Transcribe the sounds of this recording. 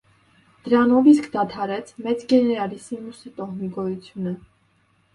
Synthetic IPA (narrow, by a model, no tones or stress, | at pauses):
d̪̥əɾɑnɔviskʰd̪ɑt̪ʰɑɾɛt͡sʰmɛt͡sɡɛnɛɾɑlisimusɛt̪ɔmiɡɔjut͡sʰjunə